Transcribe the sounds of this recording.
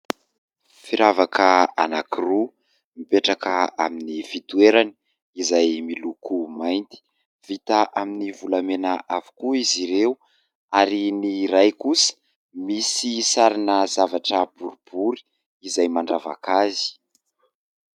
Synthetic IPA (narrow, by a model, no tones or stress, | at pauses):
fiɾavakəa̰nakiru | mipeʈ͡ʂakəa̰minifit̪ueɾani̥ | izajmilukumajnt̪i̥ | v̥it̪aʔaminivulamenaʔavu̥kuiziɾeu | aɾiniɾajkusə̥ | misisaɾinəzavaʈ͡ʂəbuɾub̥uɾi̥ː | zajmaɳɖ͡ʐava̰kazi̥